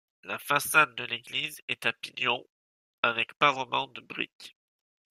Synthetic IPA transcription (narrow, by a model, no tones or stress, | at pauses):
lafasad̪d̪əleɡlizɛt̪apinjɔ̃ | avɛkpaʁəmɑ̃d̪əbʁḭk